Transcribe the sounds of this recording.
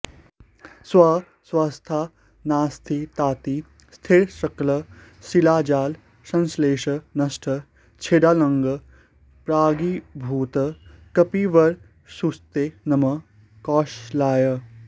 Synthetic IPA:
swa | swaːst̪ʰaː | naːst̪ʰit̪aːt̪i | st̪ʰiɾʃɐklɐ | silaːd͡ʒaːl | sɐ̃nsleːʃənɐsʈʰə | t͡ʃʰeːɖaːlɐŋɡə | pɾaːɡibʱuːt̪kɐpiːʋɐɾ | sust̪enɐmɐ | kɔːʃlaːjə

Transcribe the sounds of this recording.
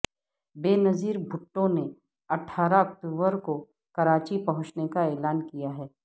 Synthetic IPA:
beːnɐziːɾbʱʊʈːõne | ɐʈʰːaːɾaɐk̚ʈuːbəɾko | kɐɾaːt͡ʃipɐɦʊ̃t͡ʃnekaɛːlaːnkijaɦɛː

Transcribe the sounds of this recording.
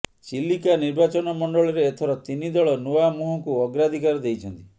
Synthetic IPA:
t͡ʃilːikaniɾbat͡ʃɔnɔmɔɳɖɔɭɔɾeːt̪ʰɔɾɔt̪inid̪ɔɭɔnuamuɦɔŋkuɔɡɾad̪ʱikaɾɔd̪ejt͡ʃʰɔnt̪i

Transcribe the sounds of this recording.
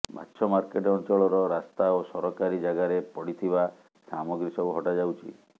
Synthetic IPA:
ba̰tːʃʰɔmaɾkeʈɔnt͡ʃɔɭɔɾɔɾast̪aosɔɾɔkaɾid͡ʒaɡaɾepɔɽit̪ʰiba | samɔɡɾisɔuɦɔʈad͡ʒawt͡ʃʰḭ

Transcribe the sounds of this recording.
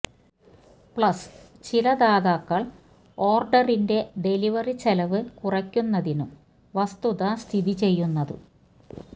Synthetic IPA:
pɭɐs | t͡ɕilɐd̪aːðaːkːɐɭ | o̞ːrɖɐrinde̞ɖe̞liʋɐrit͡ɕelɐʋɨkurɐkʲːunːɐðinum | ʋɐst̪uðɐst̪ʰiðit͡ɕe̞jːunːɐðɨ̰

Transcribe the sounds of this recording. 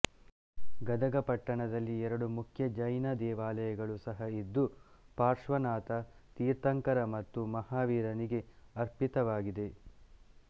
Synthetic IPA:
ɡɐd̪ɐɡɐpɐʈːɐɳɐd̪ɐlːiɛɾɐɽumukʰjɐd͡ʒɐjnɐd̪ɛːʋaːlɐjɐɡɐɭusɐɦɐid̪ːupaːɾʂʋɐnaːt̪ɐt̪iːɾt̪ɐŋkɐɾɐmɐt̪ːumɐhaːʋiːɾɐniɡe̞ɐɾpit̪ɐʋaːɡid̪e̞

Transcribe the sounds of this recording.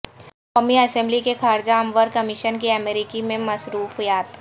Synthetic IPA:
koːmiɐsɛ̃mblikexaːɾd͡ʒaɐmʋəɾkɐmɪʃənkiɐmeɾɪkimẽmɐsɾuːfjaːt̪

